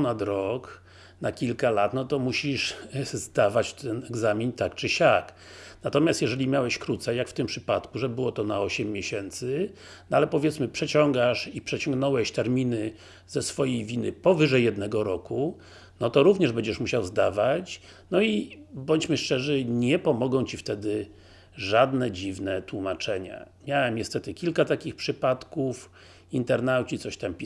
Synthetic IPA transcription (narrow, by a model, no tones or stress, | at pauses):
nat̪ɾɔk | nakʲilkalat̪nɔt̪ɔmuɕiʂzd̪avat͡ɕt̪ɛnɛɡzamʲint̪akt͡ʂɘɕak | nat̪ɔmʲjast̪jɛʐɛlʲimʲjawɛɕkɾut̪sɛjakft̪ɘmpʂɘpat̪kuʐɛbɘwɔt̪ɔnaɔɕɛmːjeɕɛnt̪sɘ | nalɛpɔvʲjɛt̪smɘpʂɛt͡ɕɔŋɡaʂipʂɛt͡ɕɔŋɡnɔwɛɕt̪ɛɾmʲinɘ | zɛsfɔjejvʲinɘpɔvɘʐɛjːɛd̪nɛɡɔɾɔku | nɔt̪ɔɾuvɲɛʐbɛɲd͡ʑɛʂmuɕawzd̪avat͡ɕ | nɔibɔɲt͡ɕmɘʂt͡ʂɛʐɘɲɛpɔmɔɡɔ̃w̃t͡ɕift̪ɛd̪ɘ | ʐad̪nɛd͡ʑivnɛt̪wumat͡ʂɛɲa̰mʲjawɛmɲɛst̪ɛt̪ɘkʲilkat̪akʲixpʂɘpat̪kuf | int̪ɛɾnawt͡ɕit̪sɔɕt̪ampʲi